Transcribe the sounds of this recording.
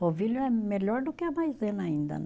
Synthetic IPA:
oviloɛmɛʎɔɾd̪okeamajzenaĩnd̪ɐ̰n

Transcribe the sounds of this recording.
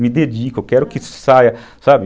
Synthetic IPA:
mid̪ɛd͡ʒiːkokɛɾokissaja | saːbi

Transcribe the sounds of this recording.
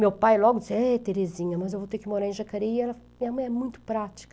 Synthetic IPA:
mewpajlɔɡʊd͡ʒisɛt̪eɾezĩɲɐmɐzewvowt̪eɾkɪmoɾaɾẽʒakaɾiɛlɐmĩɲɐmɐ̃j̃ɛmũj̃t̪ʊ̥pɾat͡ʃi̥kɐ

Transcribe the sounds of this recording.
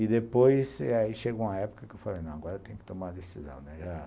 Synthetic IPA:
id̪epojsaiʃeɡow̃ɐɛpu̥kɐkɪewfalejnɐ̃w̃aɡɔɾɐt̪ẽj̃ʊkɪ̥t̪omaɐd̪esizɐ̰̃w̃nɛʒa

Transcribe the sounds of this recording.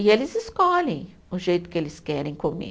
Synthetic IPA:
ielɪzɪskɔːlĩŋ | ʊʒejt̪kʲelɪskɛɾẽŋkomḭ

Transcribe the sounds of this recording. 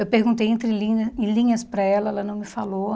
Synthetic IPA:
ewpehɡũt̪ejẽnt̪ɾɪlĩɐẽlĩɲɐspɾɐɛlɐɛlɐnɐ̃w̃mɪfalo

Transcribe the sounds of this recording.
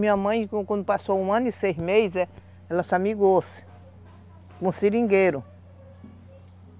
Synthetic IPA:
mĩamɐ̃j̃kkʷw̃ʷnd̪ʊpasoũãnisejsmejzɛ | elasamiɡos | kũsiɾĩŋɡeɾʊ

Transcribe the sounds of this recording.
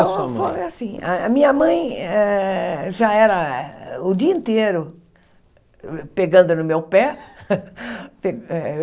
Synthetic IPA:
sfojasĩaɐmĩɲɐmɐ̃j̃ɛʒaɛɾɐʊd̪iɐĩnt̪eɾʊ | peɡɐ̃nd̪ʊnʊmewpɛ | peɛ

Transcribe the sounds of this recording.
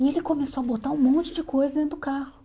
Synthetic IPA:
ielɪkomesoɐbot̪aɾũmõnt͡ʃɪd͡ʒɪkojzɐzd̪ẽnd̪ʊkahʊ

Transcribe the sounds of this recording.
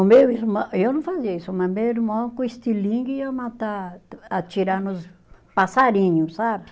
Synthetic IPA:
õmbeismɐ̃ewnɐ̃w̃faziɐisʊmɐ̃meiɾmãkõist̪ilĩŋɡɪamat̪aat͡ʃiɾanʊs | pasaɾĩɲʊssab

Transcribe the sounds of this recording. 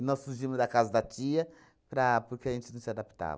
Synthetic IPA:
nɔsːuɾʒimʊzd̪ɐkazɐd̪ɐt͡ʃiɐ | pɾɐpoɾkeɐʒẽnt͡ʃɪnɐ̃w̃sɪad̪api̥t̪a̰vɐ

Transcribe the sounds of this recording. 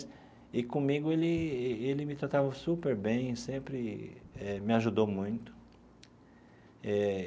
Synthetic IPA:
ɪkõmiɡʊelɪelɪmɪt̪ɾat̪avɐsupeɾbẽj̃sẽmpɾɪɛmɪaʒud̪owmũj̃t̪ʊ̥ | ɛ

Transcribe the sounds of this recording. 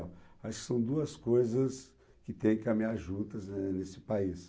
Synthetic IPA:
aʃʊ̥kɪ̥sɐ̃w̃d̪uɐskojzɐs | kɪt̪ẽj̃kɪkɐmĩaɾʒũnt̪ɐznesɪ̥pais

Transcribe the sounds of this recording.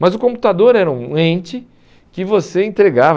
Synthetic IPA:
mɐzʊkõmpu̥t̪ad̪oɾɛɾɐũẽnt͡ʃɪ | kɪvoseẽnt̪ɾeɡav

